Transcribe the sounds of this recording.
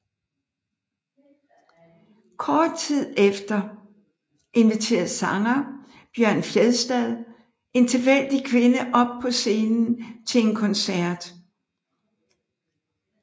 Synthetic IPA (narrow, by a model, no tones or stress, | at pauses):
kʰɒːd̥̚t͡sʰið̰ˠefd̥ɐ | ʔe̝nʋit͡sʰe̝̰ːɐð̩ˠsɑ̈ŋɐ | b̥jɶɐ̰nfjeðˠsd̥ɛðˠ | ʔe̝nt͡sʰeʋel̰d̥ikʰʋe̝nəʔɒ̽b̥̚pʰɒ̽se̝ːnn̩t͡sʰe̝le̝nkʰɒ̽nsæɐd̥